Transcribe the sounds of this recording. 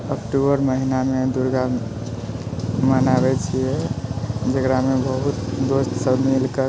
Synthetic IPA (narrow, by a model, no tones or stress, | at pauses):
əkʈubəɾməɦinamed̪uɾɡa | mənabɛt͡ʃʰijɛ | d͡ʒəɡɾamebəɦut̪d̪ost̪səbmilkə